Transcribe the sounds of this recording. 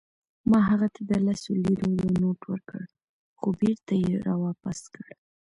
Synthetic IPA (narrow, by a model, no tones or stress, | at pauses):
mɑɦaɣat̪ʰad̪əlasoliɾojanoʈwəɾkə̰ɽ | xobeɾt̪ajeɾawɑpast̪kəɽ